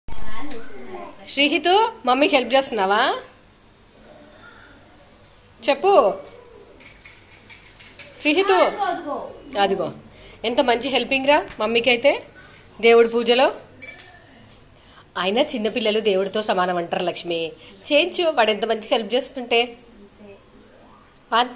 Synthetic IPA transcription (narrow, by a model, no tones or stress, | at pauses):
ʃɾiːɦit̪umɐmːiɦelp̚d͡ʒeːst̪unːaːʋaː | t͡ʃe̞pːu | ʃɾiːɦit̪u | ɐd̪uɡo̞ːe̞nt̪ɐmɐɲt͡ʃiɦe̞lpiŋɡɾaːmɐmːikɐjt̪e̞ː | d̪e̞ːwuɽup̬uːd͡ʒɐlo̞ː | aːjinɐt͡ʃinːɐpilːɐlud̪e̞ːwuɽit̪o̞ːsɐmaːnɐmɐɳʈaːɾulɐkʂmit͡ʃeːɲt͡ʃuʋaːɽe̞nt̪̬ɐmɐɲt͡ʃiɦelp̚t͡ʃe̞ːst̪uɳʈe̞ː | ʋaːn